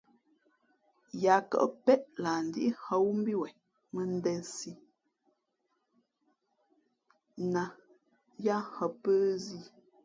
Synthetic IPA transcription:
ja˨kə̰˨ʔpɛ˦ʔla˨n̩˨di˦ʔi˦hə˦wu˦m˦bi˦wɛ˨ | mə˦n˦dɛ˦nsi˦ | na˨ | ja˦hə˨pə˦zi˦˨

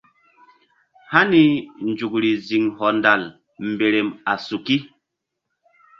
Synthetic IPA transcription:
ha˦ni˨n˦d͡ʒu˨kɾi˨zi˨ŋhɔ˨nda˨l | m̩˨be˨ɾe˨ma˨su˨ki˦

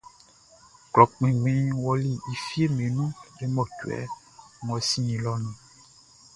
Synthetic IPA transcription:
klɔ˨k͡pĩ˨ɡ͡bĩ˦wɔ˦li˦˨i˨fi˦e˦me˨nũ˦ɖe˦mɔ̃˨tu˨ɛ̰˨˦ | ŋɔ̃˨sĩ˦ĩ˨lɔ˦nĩ˨

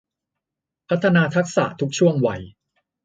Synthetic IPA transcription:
pʰa˦˥t̪ʰːa˧naː˧t̪ʰa˦˥k̚sa̰˨˩t̪ʰu˦˥k̚t͡ɕʰu˥˩əŋwa˧j

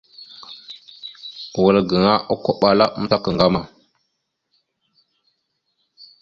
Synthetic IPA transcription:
ɣə˨lə˨ɡə˨ŋa˦ʔu˦ko˦ɓa˨la˦m̩˦ta˦kə˨ŋɡa˦ma˨

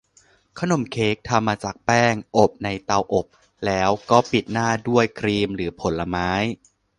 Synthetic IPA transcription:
kʰa˥˩no˨˩˦mkʰeː˦˥k̚t̪ʰa˧mːaː˧t͡ɕaː˨˩k̚pɛː˥˩ŋʔo˨˩p̚na˧jt̪a˧wʔo˨˩p̚ | lɛː˦˥wkɔː˥˩pi˨˩t̪̚naː˥˩du˥˩əjkʰɾiː˧mɾɯː˩˦pʰo˨˩˦nla˧maː˦˥j

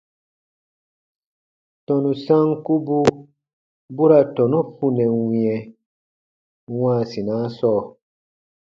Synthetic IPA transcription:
tɔ˨nũ˨sã˦ŋku˦bu˦ | bu˦ɾa˨tɔ˨nũ˦fu˨nɛ˨wĩ˨ɛ̃˨ | w̃ãː˦˨si˨nãː˨˦sɔː˦˨

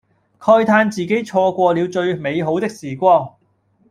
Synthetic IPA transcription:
kʰɔː˧jt̪ʰaː˧nt͡siː˨ke˨˥jt͡ʃʰɔː˧kʷɔː˧li˨˧wt͡ʃɵ˧ɥme˨˧jɦo˨˥wt̪ɪ˥k̚siː˨˩kʷɔː˧ŋ

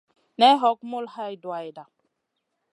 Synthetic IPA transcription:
nɛ˦ɦɔ˨˦kmʊ˦lha˦jdwa˨jda˨

